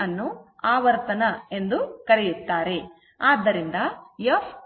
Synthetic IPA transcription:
ɐnːuaːʋɐɾt̪ɐnɐe̞nd̪ukɐɾejut̪ːaːɾe̞ | aːd̪ːɐɾind̪ɐjɐf

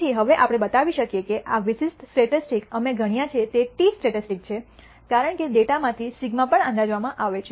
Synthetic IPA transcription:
iɦəʋeʔapɽ̃ebət̪aʋiʃəkjekeʔaʋisisʈsʈeʈisʈikəmeɡʱəɽ̃ijãt͡ʃʰet̪eʈisʈeʈisʈik̚t͡ʃʰe | kaɾəɳkeɖeʈamãt̪ʰisiɡmãpəɳãnd̪ad͡ʒʋamãʔaʋet͡ʃʰe

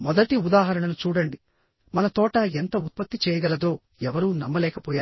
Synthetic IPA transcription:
mɔd̪ɐʈiud̪aːɦɐɾɐɳɐnut͡ʃuːɽɐɳɖi | mɐnɐt̪ɔːʈɐent̪ɐut̪̚pɐt̪ːit͡ʃɛːjɐɡɐlɐd̪o̞ː | ɛʋɐɾuːnɐmːɐlɛːkɐpɔːjaː

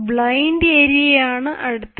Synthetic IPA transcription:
bɭɐjndeːɾiɐjaːɳɨʔɐɽut̪ː

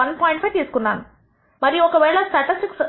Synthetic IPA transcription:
ɐnpɔːjɪ̃ɳʈpʰɐjeːskuɳːa̰ːn | mɐɾiɔkːɐʋeːɭɐsʈɛʈisʈiks

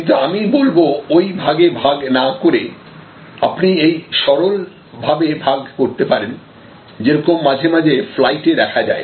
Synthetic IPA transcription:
kint̪̬uamibolboojbʱaɡebʱaɡnakoɾe | apniejʃɔɾol | bʱabebʱaɡkoɾt̪epaɾen | d͡ʑeɾɔkomːad͡ʑʱemad͡ʑʱeflajʈed̪ɛkʰad͡ʑa̰e

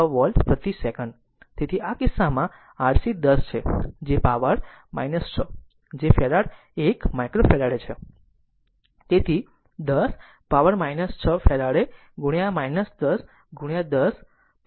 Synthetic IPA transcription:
əʋəlɖpət̪isekəɳɖ | t̪et̪ʰiakɪsːamã | aɽsid̪əst͡ʃʰed͡ʒepaʋəɾ | ma̰jnəst͡ʃʰə | d͡ʒefeɾaɽ | ekmajkɾofɛlaɽet͡ʃʰe | t̪et̪ʰi | d̪əs | paʋəɾmajnəst͡ʃʰəfɛɾaɽe | ɡuɽjãmajnəsd̪əs | ɡuɽjãd̪əs

